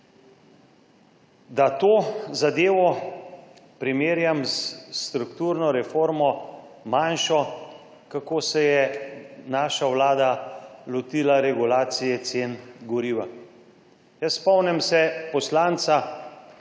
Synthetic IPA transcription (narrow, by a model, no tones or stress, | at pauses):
d̪at̪oːzad̪eːʋɔ | pɾimeːɾjamsst̪ɾukt̪uːɾnɔɾɛfoːɾmɔmanʃɔ | kakoːsɛjɛnaːʃawlaːd̪alɔt̪iːlaɾɛɡulaːt̪sijɛt̪seːnɡɔɾiːʋa | jəsspɔwnɛmsɛpɔslaːnt̪sa